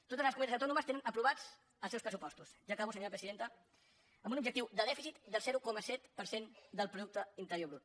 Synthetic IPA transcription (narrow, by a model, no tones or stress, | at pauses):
t̪ot̪əzləskumɛt̪az̬əwt̪ɔnuməst̪enənəpɾuβad͡z | əlsɛwspɾəsupɔst̪usʒakaβusəɲoɾəpɾəziðent̪ə | əmbunub̚d͡ʒək̚t̪iwd̪əðɛfisit̪d̪əlˠzɛɾukɔməsɛt̪pəɾsend̪əlˠpɾuðuk̚t̪əint̪əɾjoβɾut̪̚